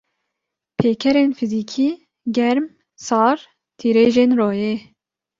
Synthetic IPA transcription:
pʰeːkʰɛɾeːnfiziːkʰiː | ɡɛɾm | sɑːɾ | t̪ʰiːɾeːʒeːnroːjeː

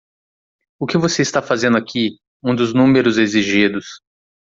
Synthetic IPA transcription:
ʊkɪvoseist̪afazẽnd̪ʊakʰi | ũd̪ʊznũmeɾʊzeziʒid̪ʊs

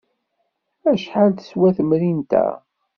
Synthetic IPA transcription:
æʃħald̪ə̥swæθəmɾint̪æ̰

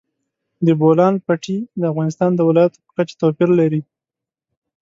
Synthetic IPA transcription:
d̪əbolɑnpaʈid̪əafɣɑnɪst̪ɑnd̪əwɪlɑjat̪o̥pə̥kat͡ʃe̥t̪opiɾlaɾi

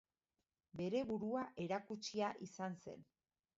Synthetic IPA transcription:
be̞ɾe̞βuɾuaʔe̞ɾakut͡ʃiaʔisanse̞̰n

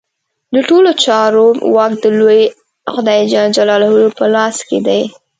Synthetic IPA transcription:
d̪əʈolot͡ʃɑɾowɑk̚d̪əloj | xʊd̪ɑjd͡ʒad͡ʒalɑlawəlopəlɑsked̪aj

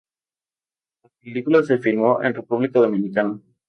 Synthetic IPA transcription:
lapelikulase̞filmoʔḛnrepuβlikaðomĩnikana

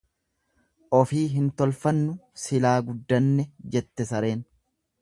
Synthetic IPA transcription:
ʔɔfiːɦɪnt̪ɔlfɐnːʊsɪlaːɡʊd̪ːɐnːɛd͡ʒɛt̪ːɛsɐɾe̞ːn

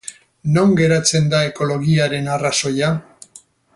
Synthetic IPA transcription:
no̞ŋɡe̞ɾat͡se̞nd̪ae̞ko̞lo̞ɣiaɾe̞naraso̞ja

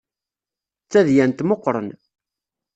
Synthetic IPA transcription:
t͡sːæðjænt̪moqːɾˤə̰n

